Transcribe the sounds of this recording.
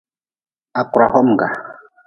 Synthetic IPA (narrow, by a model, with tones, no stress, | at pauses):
a˨ku˨ɾa˨hɔ˦m̩˨ɡa̰˨